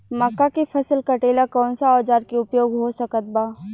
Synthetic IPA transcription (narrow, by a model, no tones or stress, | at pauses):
mɐkːakefʰɐsəlkɐʈeːlakɔːnsaɔːd͡ʒaːɾkiʊpjoːɡɦosɐkət̪̚baː